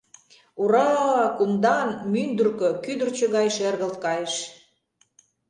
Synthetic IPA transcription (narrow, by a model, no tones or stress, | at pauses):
uɾɑkumd̪ɑnmynd̪urkø̆kyd̪ə̆rt͡ɕə̆ɣɑjʃerɣə̆lt̪̚kɑjeʃ